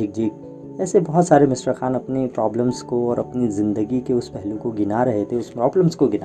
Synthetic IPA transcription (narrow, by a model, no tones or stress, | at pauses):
ik̚d͡ʒiːk̚ | ɛːsebɐɦɔt̪saːɾemɪsɾəxaːnɐpnepɾɔːbləmskoɔːɾʔɐpnizɪ̃nd̪əɡikeʊspɛɦlũkoɡɪnaɾɐɦet̪ʰeʊspɾɔːbləmskoɡɪna̰